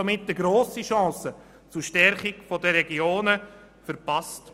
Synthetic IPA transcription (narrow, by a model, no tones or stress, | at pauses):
ɔmɪtːəɡɾoːsiʃɑ̃ːsə | t͡sʊɾʃtɛɾχɪkfɔdəɾɛɡioːnə | fəɾpɑst